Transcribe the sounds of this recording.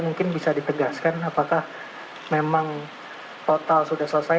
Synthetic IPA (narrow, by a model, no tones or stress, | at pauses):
muŋkɪnbisadit̪əɡaskanapakah | memaŋ | t̪ot̪alsudahsosa